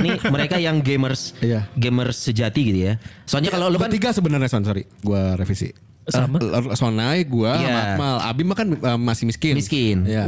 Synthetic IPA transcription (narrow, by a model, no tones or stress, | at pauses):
niməɾekajaŋɡemərsijaɡemərsəd͡ʒat̪iɡit̪uja | soɲakalolukant̪iɡasəbənarɲasonsoɾi | ɡuaɾefisḭ | sonajɡuajaamala̰bimakanəmasɪhmiskɪnmiskɪnja